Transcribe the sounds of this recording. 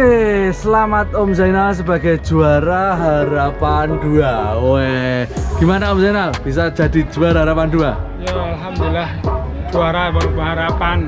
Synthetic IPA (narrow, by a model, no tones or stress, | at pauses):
esəlamat̪omsainas̬əb̥a̤ɡaj̥d͡ʒ̥uaɾaɦaɾapanduaoeɡ̥imanaomsainab̥isḁd͡ʒ̥a̤d̪̥i̤̥d͡ʒ̥uaɾaɦaɾapand̪uajaalɦamd̪ulahd͡ʒ̥uaɾapabəɦaɾapan